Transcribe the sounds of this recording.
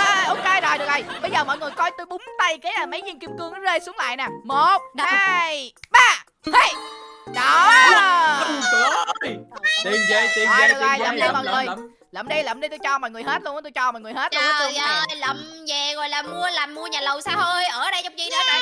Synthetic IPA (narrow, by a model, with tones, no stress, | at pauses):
ʔo˨˧ke˧jzo˨˩jɗɨ˨˩ək̚o˨˩ɓə˧jzəː˨˩mɔ̰˧˨jŋɨ˨˩əjkɔ˧jt̪u˧jɓʊ˨˦ŋ͡mt̪a˧jkaː˨˦jʔəː˧˩mə˨˦jzi˧ənki˧mkɨ˧əŋːɔ˨˦zeː˧jsu˨˦əŋla̰ː˧˨jna˨˩mo˨˩t̚na˨jɓaː˧˩˧ | ɗɔ˨˩˧ | t̪i˧˩e˧t̪i˧zɔ˨˩jɗɨ˨˩k̚o˨˩jlə̰˨˩mɗə˧˨˩mɔ̰ː˧˨jŋɨ˨˩əj | lə̰˨˧˩mɗi˧jlə̰˨˩mɗi˧t̪u˧jt͡ɕɔ˧mɔ̰˧˨jŋɨ˨˩əjɦe˦˥t̚lənaː˨˦t̪t͡ɕɔ˧mɔ̰˨˧˨jŋɨ˨˩əjɦe˦˥t̪̚ːt̪ːlə˨˩m | zɛ˨˩ɣɔ̰˧˨jlaː˨˩mu˧əlaː˨˩mːu˧əɲaː˨˩lə˨˩wsaː˧wo˧jʔəː˧˩ɗə˧jt͡ɕɔ˧wŋ͡mt͡ɕi˨˦na˧˦aː˨